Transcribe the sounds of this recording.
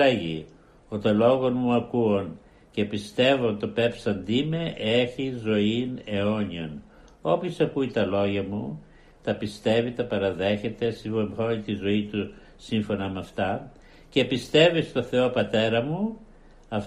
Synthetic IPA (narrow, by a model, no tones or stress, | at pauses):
eʝi | ot̪olo̞ɣo̞nmuɐkuon | ce̞pist̪e̞voot̪o̞pe̞psɐnd̪imeʔeçizo̞ine̞o̞ɲion | o̞pçosɐkuit̪ɐlo̞ʝɐmu | t̪ɐpist̪e̞vit̪ɐpɐɾɐðe̞çe̞t̪e̞sioonit̪izo̞it̪u | siɱfo̞nɐmɐft̪ɐ | ce̞pist̪e̞vist̪o̞θe̞o̞pɐt̪e̞ɾɐmu | ɐf